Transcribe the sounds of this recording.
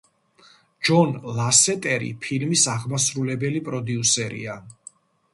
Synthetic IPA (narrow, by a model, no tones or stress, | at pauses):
d͡ʒɔnlˠasɛt̪ʼɛɾḭpʰilmisaʁmasɾulɛbɛlipʼɾɔd̪iusɛɾḭa